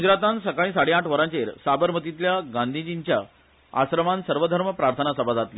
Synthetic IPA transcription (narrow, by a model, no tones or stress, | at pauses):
ɡud͡ʑɾat̪ansəkaɭĩːsaɽeaʈʰʋəɾãt͡ɕeɾsabəɾm̤ət̪it̪ljaɡãnd̪ʱid͡ʑiɲt͡ɕja | a̰sɾəmansəɾʋəd̪ʱəɾməpɾaɾt̪ʰənasəbʱad͡zat̪li